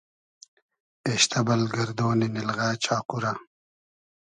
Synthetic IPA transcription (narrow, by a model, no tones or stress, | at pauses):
eːɕt̪ɐbɐlɡɐɾd̪oːninilɣaːt͡ɕʰaːquɾɐ